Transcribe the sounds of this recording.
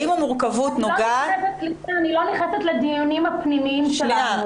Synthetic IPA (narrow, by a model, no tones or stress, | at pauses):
imamuʁkavut̪nolɡaaset̪̚ilanilo̞niχnaset̪led̪injonimhapnimiimʃelaau